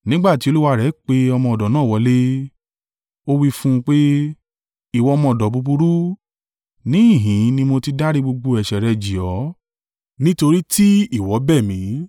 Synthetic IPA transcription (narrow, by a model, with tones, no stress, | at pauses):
nĩ˦ɡ͡ba˦˨ti˨˦o˧lu˦wa˧ɾɛ˨˦k͡pe˦ɔ˧mɔ̃˧ɔ˨dɔ˨nãː˦˨wɔ˧˦le˦ | o˦wi˦fũ˦˧k͡pe˦ | i˦˨wɔ˨˧ɔ˧mɔ̃˧˨ɔ˨dɔ˨bu˧bu˧ɾu˦ | nĩ˨˦i˦˨ɦĩ˨˦nĩ˧mo˧ti˧da˦ɾi˦ɡ͡bo˧ɡ͡bo˧ɛ˨ʃɛ˨ɾɛ˧d͡ʒi˨ɔ˨˦ | nĩ˦to˧ɾi˦ti˦i˦˨wɔ˨˦bɛ˦˨mĩ˨˦